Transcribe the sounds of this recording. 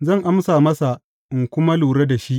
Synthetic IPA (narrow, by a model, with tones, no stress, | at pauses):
zɐ˦˨ŋʔa˦msaː˨mɐ˦sa˨ | ʔɪ˨ŋkʷʊ˦ma˦luː˨ɽɐ˦da˨ʃi˦ʔ